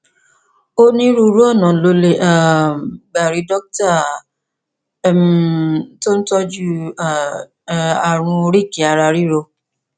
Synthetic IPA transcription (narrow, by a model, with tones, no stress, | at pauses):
o˦nĩ˦ɾu˦˧ɾu˦ɔ˦˨nã˨lo˧le˦˨ʔa˨ɡ͡ba˨ɾi˨˧dɔ˦k̚ta˦˨˦ | m | to˦n̩˦tɔ˦d͡ʒu˦˨˦ | a˨ɾ̃ũ˧ɾi˦˨ki˨˦a˧ɾa˧ɾi˦ɾo˧